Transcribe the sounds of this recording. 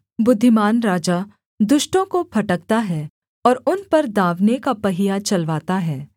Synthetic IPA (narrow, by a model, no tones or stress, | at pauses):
bʊd̪ʱːɪmaːnɾaːd͡ʒa | d̪ʊʃʈõkopʰɐʈək̚t̪aɦɛː | ɔːɾʊnpɐɾd̪aːʋnekapɐɦɪjat͡ʃɐlʋaːt̪aɦɛː